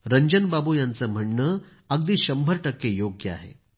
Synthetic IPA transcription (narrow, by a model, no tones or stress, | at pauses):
ɾəɲd͡ʑənbabujãnt͡səm̤əɳːəː | əɡd̪iːɕəmbʱəɾʈəkːejoɡjəa̰ɦḛ